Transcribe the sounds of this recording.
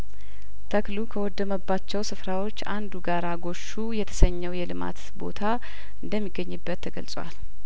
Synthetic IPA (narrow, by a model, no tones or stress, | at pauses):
t̪ʰəklukʰəwɔd̪ːəməbːat͡ʃːɛwsɨfɾawo̞t͡ʃːand̪uɡaɾaɡo̞ʃːujɛt̪ʰə̥səɲːɛwjɛlɨma̰t̪bo̞̰t̪ʰa | ʔɨnd̪əmːiɡəɲːɨbːət̪ʰːəɡə̰lsʼwa̰l